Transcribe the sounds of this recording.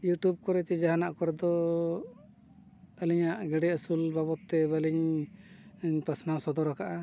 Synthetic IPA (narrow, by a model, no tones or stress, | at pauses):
juʈjub̚kɔɾɛt͡ʃɛd͡ʒaɦanaʔkɔɾɛd̪ɔ | əliɲaʔɡɛɖɛəsulbabɔt̪ːɛbəliɲ | pasnawsɔd̪ɔɾakaʔa